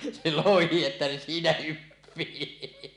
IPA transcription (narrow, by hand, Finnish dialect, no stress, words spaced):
se lohi etːæ se siːnæ hypːiː